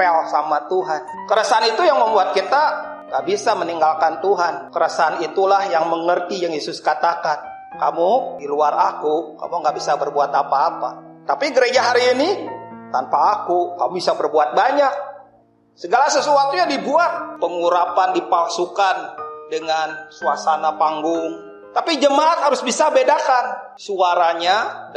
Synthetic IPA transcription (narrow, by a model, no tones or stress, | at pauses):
ɛlsamat̪uɦan | kəɾəsaanit̪ujaŋməmbuat̪̚kit̪a | ŋɡaʔbisaməniŋɡalkant̪uɦankəɾəsanit̪ulahjaŋməŋərt̪ijaŋjesʊskat̪akan | kamudiluarakuka̰muŋɡaʔbisabərbuat̪apaːpat̪apiɡəɾed͡ʒaɦaɾiːnit̪anpaːkukamubisabərbuat̪̚baɲak̚ | səɡalasəsuat̪uɲadibuat̪̚pəŋuɾapandipalsukandəŋansuasanapaŋɡʊŋ | t̪apid͡ʒəmaʔat̪̚haɾʊsbisabedakan | suaɾaɲa